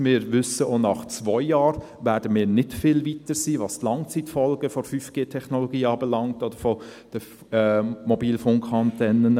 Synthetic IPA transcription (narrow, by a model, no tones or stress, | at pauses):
mɪːɾʋʏsəʔoːnɑχt͡sʋɔʏjɑːɾ | ʋæːɾdəmɪːɾnɪtfɪlvitəɾsiːʋɑːst̪lɑŋt͡sitfɔlɡ̥əfɔfyːfɡ̥eːtʰɛχnoloɡiːɑːbɛlɑŋtɔd̥əɾfɔd̥ə | mobiːlfʊŋkʰɑntɛnən